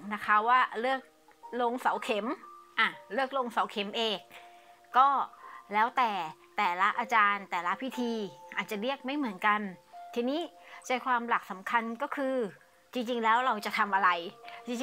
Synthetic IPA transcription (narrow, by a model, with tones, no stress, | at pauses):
na˦˥kʰa˦˥waː˥˩ɾɯ˥˩ək̚ | lo˧ŋsa˨˩˦wkʰe˨˩˦mʔa˧˩ɾɯ˥˩ək̚lo˧ŋsa˨˩˦wkʰe˨˩˦mʔeː˧˩k̚ː | ɔː˥˩lɛː˦˥wt̪ɛː˨˩t̪ɛː˨˩la˦˥ʔaː˧t͡ɕaː˧nt̪ɛː˨˩la˦˥pʰi˦˥t̪ʰiː˧ʔaː˨˩t̪̚t͡ɕa˨˩ɾi˥˩ək̚ma˥˩jmɯ˩˦ənka˧nt̪ʰiː˧niː˦˥t͡ɕaː˧jkʰwaː˧mla˨˩k̚sa˩˦mkʰa˧nkɔː˥˩kʰɯː˧ | t͡ɕi˧ŋt͡ɕi˧ŋlɛː˦˥wɾa˧wt͡ɕa˨˩t̪ʰa˧mʔa˧ɾa˧jt͡ɕi˧ŋt͡ɕ